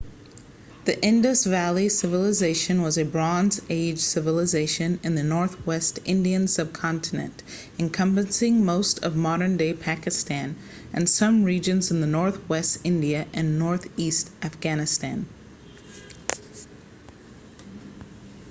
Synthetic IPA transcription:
ðiʔɪ̃ndəsvælˠisɪvəlˠəzeɪʃɨ̃nwʌzɨbɹɑ̃nzeɪd̥ʒ̥sɪvəl̩ˠəzeɪʃɨ̃nɨ̃nðɨnɔɹθwɛstɪ̃ndiɨ̃nsʌb̚kʰɑ̃ntʰɨnɨ̰̃nt | ɨ̃nkʰʌ̃mpɨ̃nsɪ̃ŋmoʊstʰʌ̰vmɑɾə̃˞ndeɪpʰækɨstæ̃n | ʔɨ̃nsʌ̃mɹid͡ʒɨ̃nz̃n̩ðɨnɔɹθwɛstɪ̃ndiɨʔɨ̃nːɔɹθistʔæfɡ̥ænɨstæ̰̃n

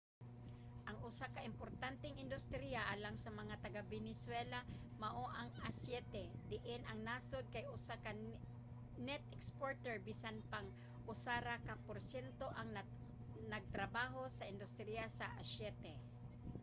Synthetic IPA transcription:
ʔɐŋʔʊsakɐʔɪmpoɾt̪ant̪ɛŋɪnd̪ʊst̪ɾijaʔalaŋsɐmɐŋat̪ɐɡabɛnɛswɛla | mɐʔoʔɐŋasjɛːt̪ɛd̪ɪʔɪnɐŋnasod̪̚kɐjʔʊsaka | nɛt̪̚ɛkspoɹt̪ɛɹbisanpaŋ | ʔʊsaɾakapoɾsjɛnt̪o̞ʔɐŋ | nɐɡ̚t̪ɾɐbaːɦo̞sɐʔɪnd̪ʊst̪ɾijasɐʔasjɛːt̪ɛ

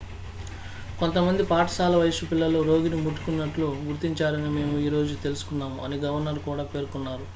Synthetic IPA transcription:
ko̞nt̪ɐmɐnd̪ipaːʈɐ̥saːlɐʋɐjʂupilːɐloːɾo̞ːɡinimuʈːu̥kunːɐʈluɡuɾt̪iɲt͡ʃaːɾɐnime̞ːmuiːɾo̞ːd͡ʒut̪e̞lusu̥kunːaːmuɐ̰niɡɐʋɐɾnɐɾkuːɽaːpe̞ːɾkunːaːɾu

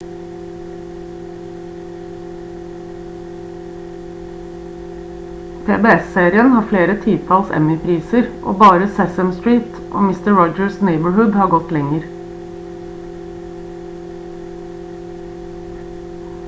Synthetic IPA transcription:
pʰḛːbeːɛseːɾɪənhɑːfleːɾət̪ʰiːt̪ʰɑːlsɛ̰mɪpʰɾiːsəɾʔo̰ːbɑːɾəsɛsəmst̪ɹiːt̪ | ʔo̰ːmɪst̪əɹɔd͡ʒəɹsneɪbəɹhʉd̪hɑːɡɔt̪lɛŋəɾ

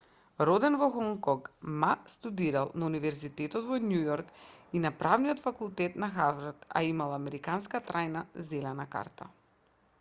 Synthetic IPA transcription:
ɾɔd̪ɛnvɔxɔŋkɔkmast̪ud̪iɾalˠnaunivɛɾzit̪ɛt̪ɔt̪vɔnjujɔɾkinapɾavnijɔt̪fakulˠt̪ɛt̪naxavɾat̪a̰imalˠamɛɾikanskat̪ɾajnazɛlɛnaka̰ɾt̪ʰa̰

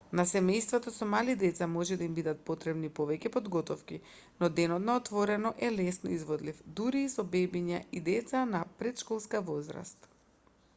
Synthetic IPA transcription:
nasɛmɛjst̪vɔt̪ɔsɔmalid̪ɛt̪samɔʒɛd̪aimbid̪at̪̚pot̪ɾɛbnipovɛcɛpod̪ɡɔt̪ɔfki | nɔd̪ɛnɔt̪naɔt̪vɔɾɛnɔʔɛlɛsnɔizvɔd̪lifd̪uɾiːsɔbɛbiɲaʔid̪ɛt̪sanapɾɛt̪ʃkɔlˠskavɔzɾa̰st̪

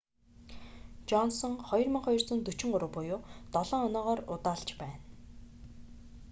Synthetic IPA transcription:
t͡ɕɔnsɞ̆ŋχɔjɞ̆rmĭŋχɔj̆rt͡sʊ̆nt̪ɵt͡ɕɪ̆ŋɢʊɾʊ̆wpʊjʊːt̪ɔɮɔːŋɔnɔːʁɔːrʊ̰t̪aːɬt͡ɕpæːn

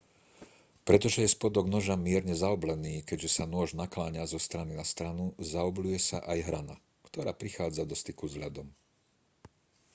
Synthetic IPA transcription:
pɾɛt̪ɔʒɛjɛspɔd̪ɔɡnɔʒamɪɛɾɲɛzaɔblɛniːkɛɟʒɛsanʊɔʒnaklaːɲazɔst̪ɾaninast̪ɾanuzaɔblujɛsaʔajɦɾana̰ | kt̪ɔɾaːpɾixaːd͡zad̪ɔst̪ikuzɦlʎad̪ɔm

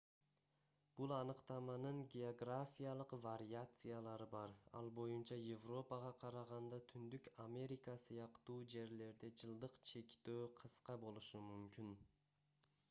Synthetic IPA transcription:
b̥ulˠɑnɯqt̪ɑmɑnɯɴɡʲeoɡrafʲijalˠəqvaɾʲiat̪sɨjalˠɑɾɯbɑɾɑ̰lˠbo̞junt͡ʃɑjevro̞pɑʁɑqʰɑɾɑʁɑnd̪ɑt̪ʰynd̪ykamʲe̞ɾʲikɑsɯjɑqt̪uːd͡ʒe̞ɾle̞ɾd̪e̞d͡ʒɯlˠd̪ɯqt͡ʃʰe̞kt̪øːqʰɯsqɑbo̞lˠuʃumymkʲyn

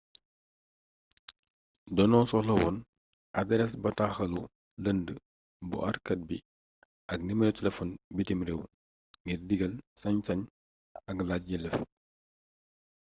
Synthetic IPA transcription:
dɔnɔsɔlɐwɔn | ʔɐdɛɾɛsbɐtaxɐlu | ləndə | bṵʔɐrkɐt̚bi | ʔɐknimɾɛwtɛlɛfɔnbitimɾɛw | ŋɡirdiɡɐlsɐɲsɐɲ | ɐɡlat̚ɟɛlɛf

